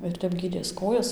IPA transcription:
ɪr ˈtʲɛp ˈɡʲiːdʲeːs ˈkoːjɛs

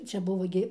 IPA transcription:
ˈt͡ʃʲɛ ˈbʊʋoː ɡʲɪ

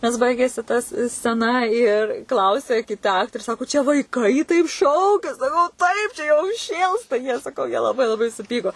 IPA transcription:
nʲɛs ˈbɐɪɡʲeːsʲɪ tɐs sʲt͡sʲɛˈnɐ ɪr ˈklˠɐʊsʲɛ kʲɪˈtɐ ˈɑːktoːrʲeː ˈsɑːkoː t͡ʃʲɛ ʋɐɪˈkɐɪ tɐɪp ˈʃɐʊkʲɛ sɐˈkɐʊ ˈtɐɪp t͡ʃʲɛ jɛʊ ˈʃʲeːlˠstɐ jiɛ sɐˈkɐʊ jiɛ lˠɐˈbɐɪ lˠɐˈbɐɪ sʊˈpʲiːkoː

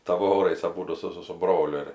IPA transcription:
ˈtɑːʋoːrɐɪs ɐˈbuːdʊ ˈsʊ ˈsʊ sʊ ˈbroːlʲʊ ɪr

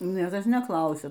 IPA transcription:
nʲiɛkɐs nʲɛˈklˠɐʊsʲɛ

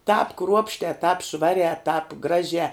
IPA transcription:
tɑːp ˈkruɔpʲʃʲtʲɛː tɑːp ˈʃʋɑːrʲɛː tɑːp ˈɡrɑːʒʲɛː

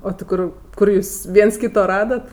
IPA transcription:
oː tʲɪ ˈkʊr ˈkʊr juːs ˈʋʲiɛns ˈkʲiːtoː ˈrɑːdɐt

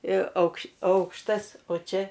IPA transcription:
ɪr ɐʊkʃ ˈɐʊkʃtɐs oː ˈt͡ʃʲɛ

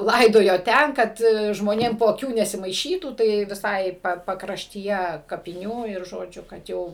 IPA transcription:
ˈlˠɐɪdoːjoː ˈtʲɛn ˈkɐt ʒmoːˈnʲeːm poː ɐˈkʲuː nʲɛsʲɪmɐɪˈʃʲiːtuː tɐɪ ʋʲɪˈsɐɪ pɐkrɐʃʲtʲiːˈjɛ kɐpʲɪˈnʲuː ɪr ʒoːˈd͡ʒʲʊ kɐt ˈjɛʊ

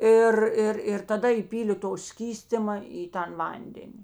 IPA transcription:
ˈɪr ˈɪr ɪr tɐˈdɐ iːˈpʲiːlʲeː toː ˈsʲkʲiːsʲtʲɪmɐ iː ˈtɐn ˈʋɐnʲdʲɛnʲɪ

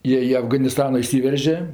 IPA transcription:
ˈjiɛ ɪ ɐfɡɐnʲɪˈstɑːnʲɪ ɪˈsʲiːʋʲɛrʲʒʲɛ

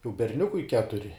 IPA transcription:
jɛʊ bʲɛrʲˈnʲʊkʊɪ ˈkʲæːtʊrʲɪ

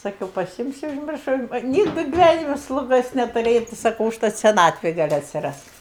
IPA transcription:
sɐˈkʲɛʊ pɐˈsʲɪmʲsʲʊ ʊʒʲˈmʲɪrʃɐʊ ˈnʲiːɡdɨ ɡʲɪˈʋʲænʲɪmʲɛ slˠʊˈɡoːs nʲɛtʊˈrʲeːjɛʊ tɐɪ sɐˈkɐʊ ʊʃˈtɐt sʲɛˈnɑːtʲʋʲeːj ˈɡɐlʲ ɐtʲsʲɪˈrɐst

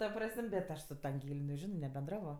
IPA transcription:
tɐ ˈprɐsʲmʲ bʲɛt ˈɐʃ sʊ tɐ ɐŋʲˈɡʲeːlʲ nʲɛˈʒʲɪnoː nʲɛbʲɛnˈdrɑːʋoː

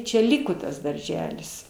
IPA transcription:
t͡ʃʲɛ ˈlʲɪkoː tɐs dɐrʲˈʒʲæːlʲɪs

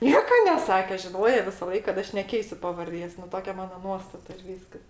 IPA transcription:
ˈnʲiɛkɐ nʲɛˈsɑːkʲɛ ʒʲɪˈnoːjɛ ʋʲɪsɐˈlˠɐɪk kɐt ˈɐʃ nʲɛˈkʲɛɪsʲʊ pɐʋɐrʲˈdʲeːs nʊ ˈtoːkʲɛ ˈmɑːnoː ˈnuɔstɐtɐ ɪr ˈʋʲiːskɐs

